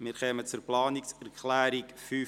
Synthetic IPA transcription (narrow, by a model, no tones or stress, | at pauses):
mɪːɾχɛːmət͡sʊɾplɑːnɪksɛɾkχlæːɾikfyː